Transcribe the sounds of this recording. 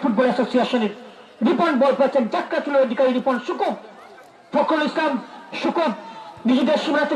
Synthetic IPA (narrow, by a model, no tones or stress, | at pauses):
fuʈ̚bɔlɛsosieʃoneɾ | ɾipoɾɳɖbolpoet͡ɕʰend͡ʑakːat͡ɕuloed̪ʱikaɾiɾipoɳʃukob | fʰokʰːolislamʃukobnid͡ʑed̪eɾʃimɾat̪e